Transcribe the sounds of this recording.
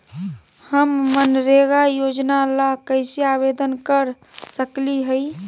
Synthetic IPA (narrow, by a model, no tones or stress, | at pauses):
həmːənɾeɡajod͡ʒnalakəɪseabed̪ənkəɾ | səkliɦəɪ